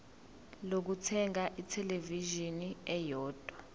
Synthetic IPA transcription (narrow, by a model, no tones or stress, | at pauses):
lok̬utʰɛŋaʔitʰɛleviʒiniɛjɔːd̥ʱwa